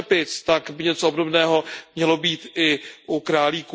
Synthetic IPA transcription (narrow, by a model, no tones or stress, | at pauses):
ɛpɪt͡st̪akbɪɲɛt͡soobdobnɛːɦo̞mɲɛlo̞biːt̪ɪʔukɾaːliːku